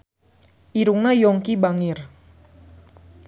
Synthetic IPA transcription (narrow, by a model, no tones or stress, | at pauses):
ʔiɾuŋnajɔŋkibaŋɪr